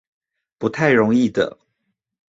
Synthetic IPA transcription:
pu˧˥t̪ʰa˥˩ɪɻʊ˧˥ŋi˥˩d̪ə̰˩

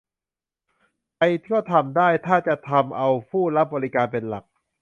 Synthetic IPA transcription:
pa˧jt̪ʰi˥ɔ˥˩t̪ʰa˧mdaː˥˩jt̪ʰaː˥˩t͡ɕa˨˩t̪ʰa˧mʔa˧wpʰuː˥˩ɾa˦˥p̚bɔː˧li˦˥kaː˧npe˧nla˨˩k̚

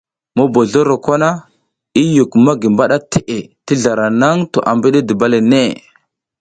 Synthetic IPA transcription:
mo˦bo˨ɮo˦ɾo˨kʷa˦na˦ | i˦ju˨kma˦ɡi˨mba˦ɗa˦te˦ʔe˨ti˦ɮa˨ɾa˨na˦ŋto˨ʔa˨mbi˦ɗe˦di˨ba˦le˨ne˦˨

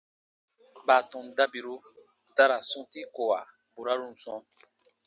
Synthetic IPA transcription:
ba˨tɔ̃˨n˨da˦bi˨ɾo˦ | ta˦ɾa˨sɔ̃˦ti˦ko˨wa˨ | bu˨ɾa˦ɾu˦˨n̩˨sɔ̃˦

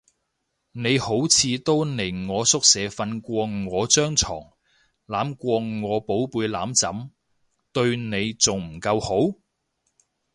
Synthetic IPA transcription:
ne˨˧jho˨˥wt͡sʰiː˨˧t̪o˥wne˨˩jŋɔː˨˧sʊ˥k̚sɛː˨˧fɐ˧nkʷɔː˧ŋɔː˨˧t͡ʃœː˥ŋt͡sʰɔ̰ː˨˩ŋ | laː˨˥mkʷɔː˧ŋɔː˨˧po˨˥wpuː˧jla̰ː˨˥mt͡sɐ˨˥m | t̪ɵ˧ɥne˨˧jt͡sʊ˨ŋm̩˨˩kɐ˧who˨˥w

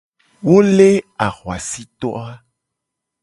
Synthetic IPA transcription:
wo˦le˦a˨ɣwa̰˨si˦t̪ɔ̰˦a˦

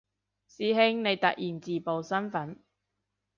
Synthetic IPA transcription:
siː˨˧ɦɪ˥ŋne˨˧jt̪ɐ̰˨k̚jiː˨˩nt͡siː˨po˨wsɐ˥nfɐ˨˥n

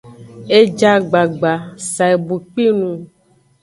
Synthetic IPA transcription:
e˦d͡ʒa˦ɡ͡ba˨ɡ͡ba˨sa˨e˨bu˨k͡pi˦nũ˨

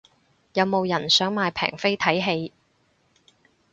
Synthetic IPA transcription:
jɐ˨˧wmo˨˧wjɐ˨˩nsœː˨˥ŋmaː˨˧jpʰɛ̰ː˨˩ŋfe˥jt̪ʰɐ˨˥jɦe˧j

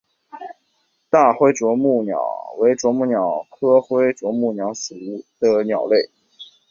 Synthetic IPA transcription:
t̪a˥˩xwe˥ɪʈ͡ʂwɔ˧˥mu˥˩njɑ̰˨˩˦ʊwe˧˥ɪʈ͡ʂwɔ˧˥mu˥˩njɑ˨˩ʊkʰɤ˥xwe˥ɪʈ͡ʂwɔ˧˥mu˥˩njɑ˧˥ʊsɹ̩˨˩u˥˩d̪̥ə˧njɑ˨˩ʊle˥˩ɪ

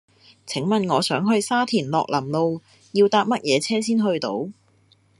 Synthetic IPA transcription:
t͡sʰɪ˨˥ŋmɐ˨nŋɔː˨˧sœː˨˥ŋɦɵ˧ɥsaː˥t̪ʰiː˨˩nlɔː˨k̚lɐ˨˩mlo˧w | jiː˧wt̪aː˧p̚mɐ˥t̚jɛː˨˧t͡sʰɛː˥siː˥nɦɵ˧ɥt̪o̰˨˥w

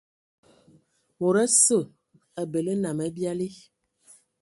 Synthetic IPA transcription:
mo˨ɾɛ˦sə˦˨ | a˨be˨lə˦na˨mɛ˦bja˦li˦

